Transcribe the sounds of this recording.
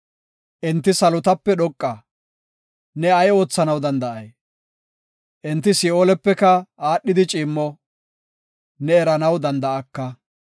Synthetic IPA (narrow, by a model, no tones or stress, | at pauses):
ʔɪnt̪ːɪsɐlʊt̪ɐpːɛɗɔkʼːɐ | nɛɐjo̞ːt͡sːɐnɐwd̪ɐnd̪ɐʔɐj | ʔɪnt̪ːɪsɪoːlɛpːɛkɐaːɗːɪd̪ɪt͡ʃʼɪːmːɔ | nɛːɾɐnɐwd̪ɐnd̪ɐɐkːɐ